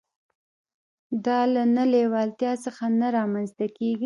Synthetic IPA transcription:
d̪ɑlanalewɑlt̪jɑsəxanaɾɑmanzt̪akeɡi

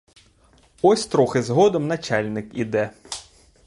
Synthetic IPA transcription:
ɔsʲt̪ɾɔxɪzɦɔd̪ɔmnɐt͡ʃalʲnɪkḭd̪ɛ

